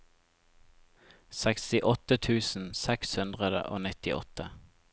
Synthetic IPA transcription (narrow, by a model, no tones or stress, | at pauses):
sɛkst̪ɪʔɔt̪ət̪ʰʉːsn̩sɛkshʉnd̪ʁəd̪ə̰ʔo̰ːnɪt̪ɪʔɔ̰t̪ə